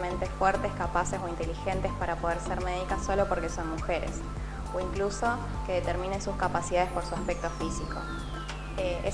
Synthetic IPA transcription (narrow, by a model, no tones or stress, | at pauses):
mẽnt̪e̞fweɾt̪e̞skapaseso̞int̪e̞lixe̞nt̪e̞spaɾapo̞ð̞eɾseɾmeð̞ikaso̞lo̞po̞ɾke̞so̞nmuxeɾḛs | oiŋkluso̞ | keðe̞t̪eɾmĩne̞nsuskapasiðaðespo̞ɾsuaspek̚t̪o̞fisiko̞̰ | ee